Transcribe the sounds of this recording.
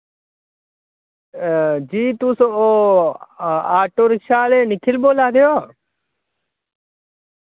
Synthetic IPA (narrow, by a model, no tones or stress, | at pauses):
d͡ʒiːt̪usooː | aːʈoːɾɪʃaːleːnɪkʰɪlboːlaːd̪ejoː